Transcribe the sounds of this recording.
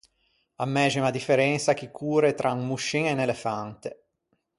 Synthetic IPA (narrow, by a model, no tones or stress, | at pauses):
amːɛːd͡ʒmad̪ifeɾɛnt̪sak̟ikʰːuːɾet̪ɾʔaŋmːuʃːiŋenelefant̪e